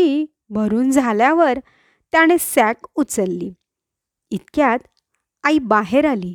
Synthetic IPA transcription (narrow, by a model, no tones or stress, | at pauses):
i | bʱəɾuːnd͡zʱaljaʋəɾ | t̪jaɽ̃esækut͡səlːi | it̪kjat̪ | aibaɦeɾaliː